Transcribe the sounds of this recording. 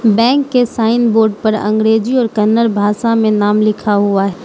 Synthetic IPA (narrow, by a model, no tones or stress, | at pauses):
bɛ̃ːŋkːesaːɪnboːɾɖpɐɾɐ̰̃ŋɡɾeːd͡ʒiɔːɾkɐnːəɾbʱaːʃamẽnaːmlɪkʰaɦuaɦɛː